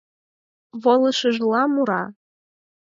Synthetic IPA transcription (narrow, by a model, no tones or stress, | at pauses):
βolˠəʃəʒlɑmuɾɑ